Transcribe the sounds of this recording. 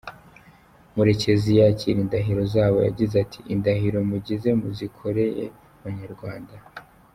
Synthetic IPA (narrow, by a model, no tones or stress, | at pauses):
muɾe̞ce̞zijaciɾindaɦiɾo̞zaːβo̞̰ja̰ɟizatʰi̥ʔindaɦiɾo̞muɟize̞muzikʰo̞ɾe̞je̞̰ | βaɲaɾɡwaːnda